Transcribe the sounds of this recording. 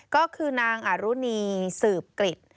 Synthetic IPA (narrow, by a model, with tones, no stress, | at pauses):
kɔː˥˩kʰɯː˧naː˧ŋʔa˨˩ɾuː˦˥niː˧sɯː˨˩p̚kli˨˩t̪̚